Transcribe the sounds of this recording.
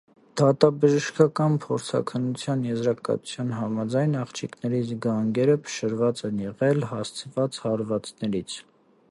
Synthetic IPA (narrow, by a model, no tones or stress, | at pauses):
d̪̥ɑt̪ɑbəʒəʃkɑkɑnpʰɔɾt͡sʰɑ̰kʰənːut͡sʰjɑnjɛzɾɑkɑ̰t̪u̥t͡sʰjɑnɦɑmɑd͡zɑjnɑχt͡ʃʰiknɛɾiɡɑŋɡɛɾəpʰə̥ʃəɾvɑt͡sɛnjɛʁɛlhɑst͡sʰəvɑt͡shɑɾvɑt͡snɛɾit͡sʰ